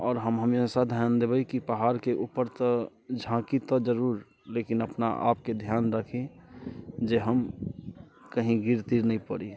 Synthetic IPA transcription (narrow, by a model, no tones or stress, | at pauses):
ɔːɾɦəmɦəmɛ̃sad̪ʱjaːnd̪ebəikipəɦaɾkeʔupəɾt̪ɔ | d͡ʒʱãkit̪ɔd͡ʒəɾuːɾ | lekinəpna̰ʔa̰p̚ked̪ʱjaːnɾəkʰi | d͡ʒeɦəm | kəɦĩɡɪɾt̪iɾnəĩpəɾi